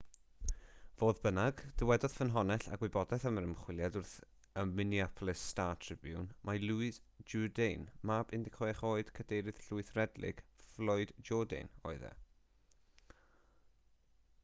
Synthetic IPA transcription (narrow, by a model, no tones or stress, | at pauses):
voːðbənaɡd̥əwɛdɔð̥fənɦɔnɛɬa̰ɡwɨbɔdɛθəməɾəmχwɪlˠjadʊrθ | əmɪniapʰlˠɨstaːtʰr̥ɪbjʊ̰nmʔaluɪsd͡ʒɔdejnmabɪndɪkʰɔjɛχoːɨd̥kʰədejɾɨð̥ɬʊɨθrɛdlɪ̰ɡ̥flˠɔɨdd͡ʒɔdḛnɔ̰ɨðɛ̰